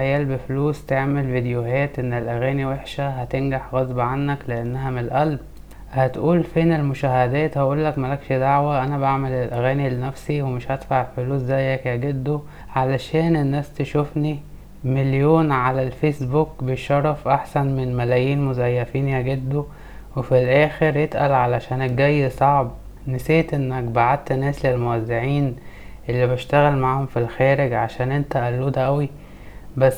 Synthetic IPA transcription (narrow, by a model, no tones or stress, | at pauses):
æjæːlbefluːst̪eʕmelvid̪ejoɦæːt̪ʔenːelʔæɣæːniweħʃæɦæt̪enɡaħɣɑzˤbɑʕanːækleʔenːæɦæmelʔælb̚ | hæt̪ʔuːlfeːnelmoʃæhæd̪æːt̪hæʔuːlːækmælækʃed̪aʕwæʔænæbaʕmelelʔæɣæːnilenæfsiwemeʃhæt̪faʕelfoluːszæjːækæɡed̪ːo | ʕalæʃæːnenːæːst̪eʃofni | meljoːnʕalælfesbukbejʃɑɾˤːɑfʔaħsænmenmælæːjiːnmozæjːæfiːnjæɡed̪ːo | wefilʔæːxeɾjet̪ʔæ̰lʕalæʃæːneɡæjːsˤɑʕb | neseːt̪ʔenːækbaʕad̪̚t̪næːslelmowæzːeʕiːnʔelːibʃt̪æɣælmaʕhomfilxæːɾeɡʕaʃæːnʔent̪æʔælːuːd̪æʔæwi | bæsː